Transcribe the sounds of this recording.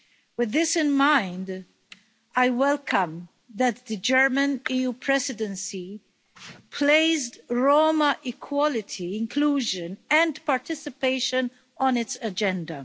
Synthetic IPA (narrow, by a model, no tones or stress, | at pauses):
wɨðːɪsɪ̃nmãɪ̃nd | aɪwɛlkʰə̃m | ðæt̪̚ðɨd͡ʒɜɹmə̃niːjuːpʰɹɛsɪdə̃nsi | pʰleɪzdɹoːməʔɪkʰwɔlɪtʰiɪ̃nkʰluːʒə̃nɛ̃ndpaɹtɪsɪpeɪʃə̃n | ɔ̃nɪtsəd͡ʒɛ̃ndə